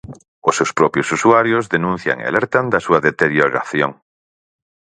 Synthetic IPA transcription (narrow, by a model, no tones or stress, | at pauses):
osːewspɾopjosusuaɾjozðenũn̟θja̰ŋḛa̰leɾt̪and̪asuaðet̪eɾjoɾa̰θjoŋ